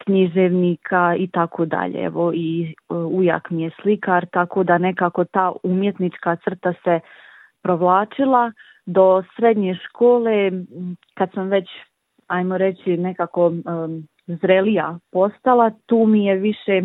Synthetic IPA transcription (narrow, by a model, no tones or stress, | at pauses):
kɲiʒeʋnikʰait̪akʰod̪a̰ʎḛɛ̰ʋoiuja̰kmijeslikaɾt̪akoːd̪ane̞kaːko̞t̪aːumje̞t̪nit͡ʃkat̪sr̩t̪ase | pɾo̞ʋlˠaːt͡ʃilˠa | d̪o̞sɾe̞d̪ɲeʃkʰoːle | kad̪samʋe̞t͡ɕ | ajmoɾe̞t͡ɕine̞kako̞ | zɾelijapo̞st̪alˠat̪uːmijeʋiʃe